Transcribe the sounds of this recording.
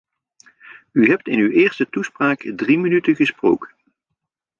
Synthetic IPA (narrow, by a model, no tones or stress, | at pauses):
yɦɛp̚tɪnywɪːɹstətuspraːkdrimənytəɣəsprowkə̥n